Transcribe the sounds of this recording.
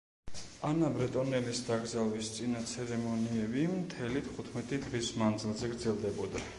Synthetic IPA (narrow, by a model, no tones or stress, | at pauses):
anabɾɛt̪ʼɔnɛlisd̪aɡɾzalˠwist̪sʼinat̪sʰɛɾɛmɔniɛbimt̪ʰɛlit̪ʰχut̪ʰmɛt̪ʼid̪ʁismand̪zilˠzɛɡɾd̪zɛlˠd̪ɛbɔd̪a